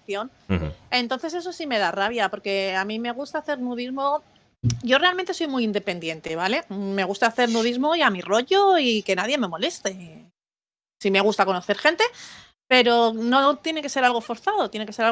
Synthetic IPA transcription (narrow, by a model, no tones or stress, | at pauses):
θjo̞n | e̞nt̪o̞nθe̞s̬e̞so̞sime̞ðaraβjapo̞ɾke̞amĩme̞ɣ̞ust̪aːθe̞ɾnuðizmo̞ | ɟ͡ʝo̞re̞almẽnt̪eso̞jmujind̪e̞pe̞nd̪je̞nt̪e̞βale̞me̞ɣ̞ust̪aːθe̞ɾnuð̞izmojamiro̞ʝoike̞naðje̞me̞mo̞le̞st̪e̞ | sime̞ɣ̞ust̪ako̞no̞θe̞ɾxe̞nt̪e̞ | pe̞ɾo̞no̞t̪je̞ne̞ke̞se̞ɾalɣ̞o̞fo̞ɾθaðo̞t̪je̞neke̞se̞ɾa